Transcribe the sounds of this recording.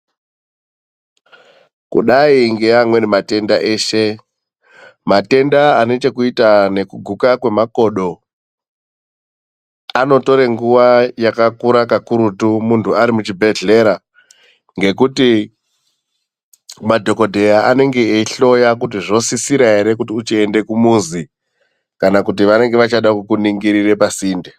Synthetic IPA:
kṵɗaiŋɡeamwe̞nemate̞ndaʔe̞ːʃe̞ | mate̞ndaane̞t͡ʃe̞kuitane̞kuɡʱukakwe̞mako̞ɗo̞ | ano̞to̞ɾe̞ŋɡuʋajakakuɾakakuɾutumuntʰuaɾimut͡ʃibʱe̞ɮe̞ɾa | ŋɡe̞kuti | madʱo̞ko̞dʱe̞jaane̞ŋɡe̞eiɬo̞jakutiʐo̞sisiɾaɦe̞ɾe̞kutiut͡ʃiende̞kumuzi | kanakutiʋane̞ŋɡe̞ʋat͡ʃaɗakukuniŋɡiɾire̞pasiːnde

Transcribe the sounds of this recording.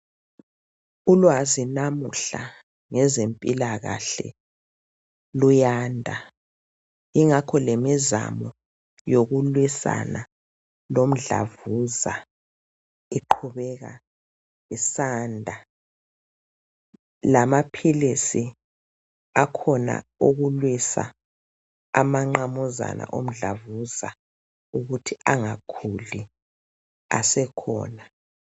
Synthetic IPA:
ulwazinamuɬa̰ | ŋɛzempʼilaɣa̰ɬɛ̰ | lujaːndʱa | iŋakʰɔlemiza̰mɔ | joɣulwisa̰na | lom̩ɮa̰vuza̰ | iǃʰuβɛɣa̰ | isaːndʱa | lamapʰilisi | akʰɔna̰uɣulwisa̰ | amaŋ͡ǃamɔza̰nʔa̰ʔom̩ɮavuza | uɣutʰiaŋakʰuli | asɛkʰɔ̰ːna

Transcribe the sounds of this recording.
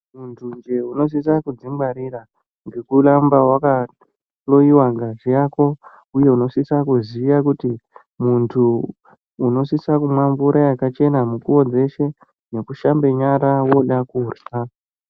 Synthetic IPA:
muntʰund͡ʒe̞uno̞s̬is̬akud͡zimbaɾira | ŋɡe̞kulambawaka | lo̞iwaŋɡʱaʐijako̞ | uje̞uno̞sisakuziːjakuti | muntʰuː | no̞sisakumwambuɾʔajakat͡ʃe̞namukuo̞d͡ze̞ʃe̞ | ne̞kuʃambe̞ɲaɾawo̞ɗakuursaa

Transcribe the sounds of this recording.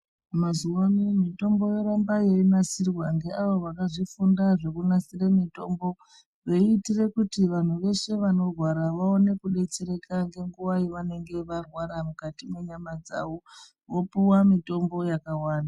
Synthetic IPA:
mazuwamimito̞mbo̞je̞ɾambaje̞inasirwaŋɡe̞ʔaʋo̞ʋakaʐifundaʐe̞kunasiremito̞mbo̞ | ʋoiːtire̞kutiʋan̤uʋe̞ʃe̞ʋano̞rwaɾaʋaone̞kuɗe̞t͡se̞ɾe̞kaŋɡe̞ŋɡuʋaiʋane̞ŋɡe̞ʋarwaɾamukatime̞ɲamad͡za̰ʋo̞ | ʋo̞puwamito̞mbo̞jakawaːnda

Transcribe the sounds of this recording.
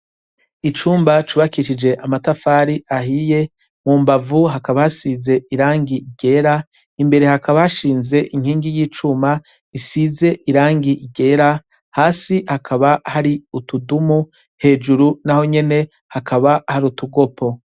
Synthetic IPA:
it͡ʃuːmbat͡ʃuːβakiʃid͡ʒe̞ʔamatafaːɾiʔaɦije̞ | muːmbavuɦakaβahasize̞ʔiɾaːŋɡiiɡ̥e̞ːɾa | imbe̞ɾe̞hakaβahaʃiːnze̞ʔiŋ̥hiːŋɡijiːt͡ʃuma | isize̞ʔiɾaːŋɡiʔiɡe̞ːɾa | haːsihakʰaβahaɾiutudumu | he̞ːd͡ʒuɾunaho̞ɲe̞ne̞ | hakʰaβahaɾiutuɡo̞pʰo̞

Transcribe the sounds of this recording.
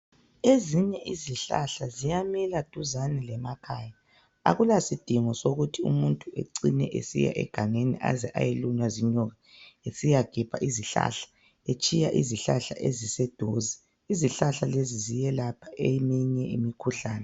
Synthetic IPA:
eziɲɛʔiziɬa̰ɬazijamilad̥ʱuzanilɛmakʰaːja | a̰ɣulasid̥ʱimɔsoɣutʰiṵmuntʼuḛǀinɛ̰ʔḛsḭja̰ʔɛ̰ɡ̥ʱaŋeniʔa̰zɛʔa̰jelunwaziɲɔɣaesijaɡ̥ʱipʰa̰ʔiziɬa̰ɬḁ | et͡ʃʼijaʔḭziɬaɬa̰ʔezisɛd̥ʱozi | iziɬaɬalezizijɛlapʰḁʔemɛɲɛimikʰuɬaːnɛ

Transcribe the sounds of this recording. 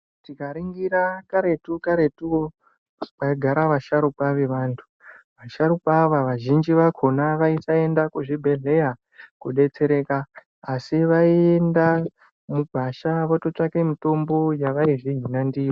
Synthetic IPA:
tikaɾiŋɡiɾakaɾe̞tukaɾe̞tuo | paiɡʱaɾaʋaʃaɾupaʋe̞ʋaːntʰu̥ | ʋaʃaɾupaʋaʋaʒind͡ʒiʋakʰo̞naʋaisae̞ndakuʐibʱe̞ɮe̞ja | kuɗe̞t͡se̞ɾe̞kaː | siʋaie̞nda | muɡʱaʃaʋotot͡ʂakemito̞mbo̞jaʋaiʐiɦinandiːo

